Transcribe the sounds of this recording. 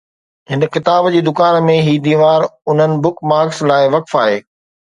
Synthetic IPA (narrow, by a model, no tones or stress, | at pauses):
ɦɪnəkɪt̪aːbd͡ʑiːd̪ʊkaːnmẽɦiːd̪iːʋaːɾʊn̤ənɪ̆bʊkmaːkslaːɪʋɐkfaːɦeː